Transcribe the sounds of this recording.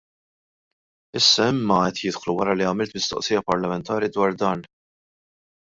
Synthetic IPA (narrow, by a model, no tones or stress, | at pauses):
ɪsːɐɪmːɐɛt̪jɪt̪xluwɐɾɐliɐmɪlt̪mɪst̪ɔ̰ʔsiːjɐpɐɾlɐmɛnt̪ɐːɾid̪wɐːɾd̪ɐːn